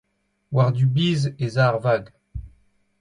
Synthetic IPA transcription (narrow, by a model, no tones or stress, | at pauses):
waʁd̪ybiːzezaʁvaɡ